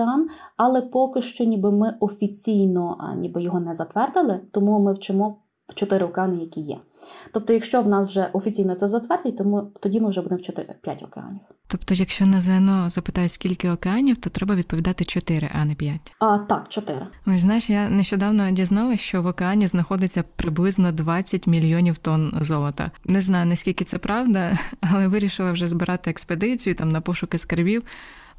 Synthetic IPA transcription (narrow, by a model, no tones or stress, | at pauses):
ɑnɑlˠɛpɔkɪʃt͡ʃɔnʲibɪmɪʔɔfʲit͡sʲijnɔnʲibɪjɔɦɔnɛzɐt̪ʋɛrd̪ɪlˠɪt̪ɔmumɪwt͡ʃɪmɔ | t͡ʃɔt̪ɪɾɪɔkeɑnɪjɐkʲijɛ̰ | t̪ɔp̚t̪ɔjɐkʃt͡ʃɔwnɑswʒɛʔɔfʲit͡sʲijnɔt̪sɛzɐt̪ʋɛrd̪ɪt̚ʲt̪ɔmut̪ɔdʲimɪwʒɛbud̪ɪmwt͡ʃɪt̪ɪ̰pʲja̰tʲɔ̰kḛɑ̰nʲiwt̪ɔpt̪ɔjɐkʃt͡ʃɔnɛzɛnɔzɐpɪ̥t̪ɑjʊsʲkʲilʲkɪɔkeɑnʲiwt̪ɔt̪ɾɛbɐʋʲid̪̚pɔd̪ɑt̪ɪt͡ʃɔt̪ɪɾɪ̰ʔɐnɛpʲjatʲt̪ɑkt͡ʃɔt̪ɪɾɪɔsʲznɑjɪʃjaneʃt͡ʃɔd̪ɑwnɔdʲiznɑlˠɐʃt͡ʃɔʋɔkeɑnʲiznɐxɔd̪ɪt͡sʲːɐpɾɪblˠɪznɔd̪ʋɑt͡sʲːɐtʲmʲilʲjɔnʲiwt̪ɔnzɔlˠɔt̪ɐ̰nɛznɑjʊnɐsʲkʲilʲkɪt̪sɛpɾɑwd̪ɐɐlˠɛʋɪɾʲiʃɪlˠɐwʒɛzbɪɾʔɑt̪ɪeksped̪ɪt͡sʲijʊt̪ɑmnɐpɔʃʊkɪskɐrbʲiw